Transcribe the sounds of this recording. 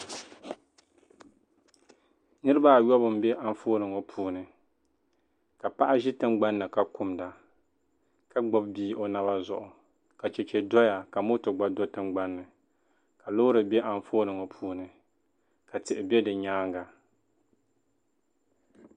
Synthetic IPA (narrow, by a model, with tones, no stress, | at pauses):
nɨ˦ɾɨ˦ba˦˨jɔ˦bɨ˨m̩bɛ˦ʔa˨ɱ˦foː˦nɨ˨ŋo˦pʰuː˦nɨ˨ | ka˨pa˦ʔa˦ʒɪ˦tɨ˦mɡ͡ba˦nːɨ˨ka˦kʊ˦mda˨ | ka˦ɡ͡bɔ˦b̚biː˦o˦na˦ba˦zʊ˦ʔʊ˨ | ka˨t͡ʃɛ˨t͡ʃɛ˨dɔ˦ja˨ka˨mo˦tɨ˨ɡ͡ba˦do˦tɨ˦mɡ͡ba˦nːɨ˨ | ka˨lo˦ʊ˦ɾɨ˨bɛ˦ʔa˨ɱfoː˦nɨ˨ŋo˨pʰuː˦nɨ˨ | ka˨tɨ˨ʔɪ˨bɛ˦dɨ˨ɲaː˦ŋɡa˨